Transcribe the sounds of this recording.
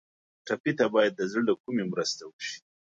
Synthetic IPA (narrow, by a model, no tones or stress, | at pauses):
ʈapit̪abɑjad̪̚ːəzəɽd̪əkumemɾəst̪awəʃi̥